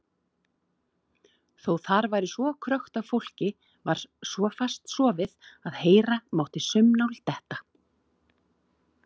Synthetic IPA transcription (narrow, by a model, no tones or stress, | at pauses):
θowθaɾvaːjɾɪsvɔkʰɾœxt̪avfowl̥cɪ | vaɾ̥svɔfast̪svɔvɪðaðheːjɾamawht̪ɪsʏmnawlt̪ɛht̪ḁ